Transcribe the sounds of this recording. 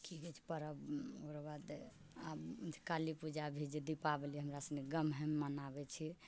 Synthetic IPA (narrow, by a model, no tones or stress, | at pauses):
kʰikɛt͡ʃʰi̥pəɾəboɾəbad̪ | abkalipud͡ʒabʱid͡ʒed̪ipabeliɛɦəmɾasəneɡəmɦɛmːənabɛt͡ʃʰi